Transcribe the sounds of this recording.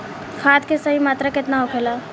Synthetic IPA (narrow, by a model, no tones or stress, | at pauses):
kʰaːt̪kesɐɦimaːt̪ɾakɪt̪naɦokʰelaː